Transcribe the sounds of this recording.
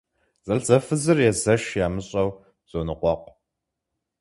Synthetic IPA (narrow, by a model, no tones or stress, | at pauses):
z̥ʼɐɬzɐfɨzɨrjɛzɐʃjaːmɨɕʼɐw | z̥onɨqʷʼɔqʷ